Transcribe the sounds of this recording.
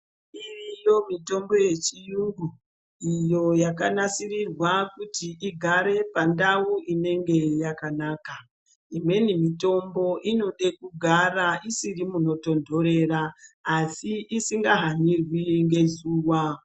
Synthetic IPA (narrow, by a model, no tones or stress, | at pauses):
irijo̞mito̞mbo̞je̞t͡ʃijuŋɡu | ijo̞jakanasirirwakutiʔiɡʱaɾe̞pandauʔine̞ŋɡe̞jakanaːka | imwe̞nimito̞mbo̞ʔino̞ɗe̞kuɡʱaraʔisirimuno̞to̞ndo̞ɾe̞raːsiʔisiŋɡaɦanirwiŋɡe̞zuːwa